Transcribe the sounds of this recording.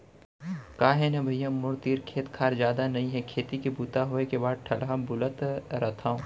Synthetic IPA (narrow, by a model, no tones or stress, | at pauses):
kaːɦɛ̃nɛ̃bʱɐjːãmʊɾt̪iːɾkʰeːt̪kʰaːɾd͡ʒjaːd̪anɐɦĩɦɛkʰeːt̪ikebuːt̪aɦoekebaːd̪̚ʈʰɐlabʊlət̪ɾɐt̪ʰaːõː